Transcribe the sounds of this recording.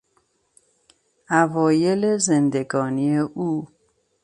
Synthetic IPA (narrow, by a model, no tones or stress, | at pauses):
ʔævɒːjelezend̪eɡɒːnieʔuː